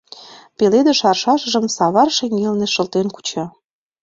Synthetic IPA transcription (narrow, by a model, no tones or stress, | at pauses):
peled̪ə̆ʃɑrʃɑʃə̆ʒə̆msɑβɑrʃeŋɡelneʃɤ̆lt̪enku̥t͡ɕɑ